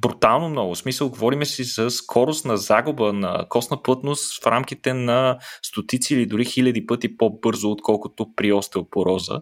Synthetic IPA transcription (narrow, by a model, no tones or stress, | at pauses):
bɾut̪alˠnomnɔɡʊsmisəlˠɡovɔɾimɛsizɐskʰɔɾʊst̪nɐzaɡʊbənɐ̰kɔsnəpɤt̪nost̪fɾamk̟it̪ɛnɐst̪ot̪it̪siːlid̪ʊɾixilʲɐd̪ipɤt̪ipobɤɾzʊːt̪kʰɔlˠkʊt̪opɾiɔst̪əlˠpoɾɔzə̰